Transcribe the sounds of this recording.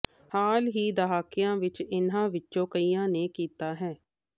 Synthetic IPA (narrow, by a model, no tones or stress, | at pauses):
haːlɦiːd̪əɦaːkɪjãːʋɪt͡ʃɪnãːʋɪt͡ʃːt͡ʃõːkəiːjãːneːkiːt̪aːɦɛː